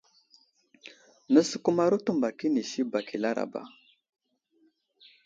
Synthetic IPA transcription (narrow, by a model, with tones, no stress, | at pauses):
nə˦sə̥˨ku˦ma˦ɾu˦tu˦mba˨ki˦ni˨si˦ba˨ki˨la˦ɾa̰˨ba̰˨